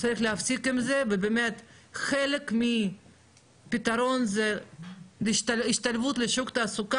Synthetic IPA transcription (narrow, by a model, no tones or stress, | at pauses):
t͡saɾiχlehafsikimzevebemet̪χelekmi | pit̪aɾo̞nze | lʃt̪aiʃt̪alvut̪leʃukt̪aːsuka